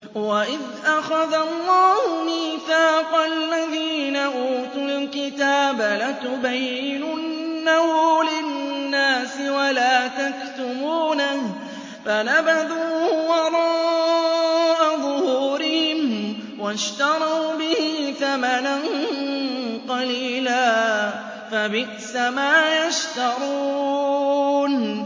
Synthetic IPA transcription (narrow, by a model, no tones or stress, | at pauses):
waʔɪð | ʔaxaðalːɑːhʊniːθaːqalːaðiːnaʔuːt̪ʊlkɪt̪aːbalat̪ʊbajːɪnʊnːahulɪnːaːsɪwalaːt̪akt̪ʊmuːna | fanabad̪uːwɑɾˤɑː | ʔaðˤhuːɾɪhɪm | waʃt̪ɑɾˤɑwbɪhɪθamanan | qɑliːlaː | fabɪʔsamaːjaʃt̪ɑɾˤuː | n